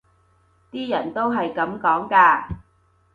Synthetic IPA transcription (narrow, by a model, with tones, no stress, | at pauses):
t̪iː˥jɐ̰˨˩nt̪o˥wɦɐ˨jkɐ˨˥mkɔː˨˥ŋkaː˧